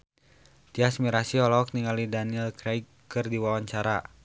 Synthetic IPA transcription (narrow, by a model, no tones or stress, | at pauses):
t̪iasmiɾasiɔlɔk̚niŋalidaniɛlkɾɛjk | ɨrdiwawaɲt͡ʃaɾa